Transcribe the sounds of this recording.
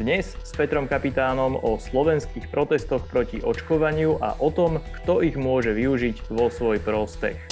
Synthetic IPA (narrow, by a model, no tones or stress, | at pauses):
d̪ɲɛsːpɛt̪ɾɔmkapit̪aːnɔmɔslɔʋɛnskiːxpɾɔt̪ɛst̪ɔxpɾɔciʔɔt͡ʃkɔʋaɲɪuʔa̰ʔɔt̪ɔmkt̪ɔiɣmʊɔʒɛʋiuʒiɟʋɔsʋɔjpɾɔspɛ̰x